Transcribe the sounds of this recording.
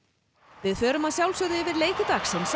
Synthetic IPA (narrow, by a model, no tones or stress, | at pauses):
vɪðθœːɾʏmaðsjawlsœðɪvɪðleːjt̪ɪt̪axsɪns